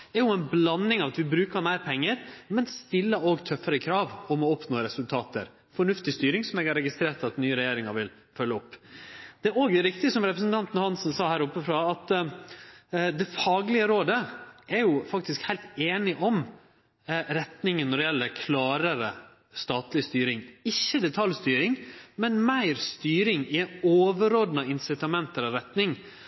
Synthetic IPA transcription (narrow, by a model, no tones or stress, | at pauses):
ɛɾjʊɛnblɑnːɪŋɑʋɑt̪ʋɪbɾʉːkəɾmæɪɾpʰɛŋːəɾmɛnst̪ɪlːəoːɡt̪ʰœfəɾəkʰɾɑːʋɔmɔɔpnoːɾɛsʉlt̪ʰɑːt̪ə̰ɾ | fɔɳʉft̪ɪst̪yːɾɪŋsɔmɛɡɑɾɛɡɪst̪ɾeːɾʈ̪ɑt̪nyːəɾɛjeːɾɪŋɑɾʋɪl | fœlːəɔpːd̪̥ɛæɾoːɡɾɪkt̪ɪəsɔmɾɛpɾəsən̩t̪ʰɑnt̪n̩hɑnsnsɑːhæːɾʊpːəfɾɑːɑt̪ | d̪ɛfɑːɡlɪəɾoːd̪əɛɾjʊfɑkt̪ɪskhæɪlt̪eːnɪʔɔm | ɾɛt̪nɪŋənːɔɖɛjɛlːəɾkʰlɑːɾəɾə | st̪ɑːt̪lɪst̪yːɾɪŋɪçːəd̪ɛt̪ʰɑljst̪yːɾɪŋmɛnmæɪɾst̪yːɾɪŋɪoːʋəɾoːd̪nɑɪnsɪt̪ɑmɛnt̪əɾɑʋɾɛt̪nɪŋ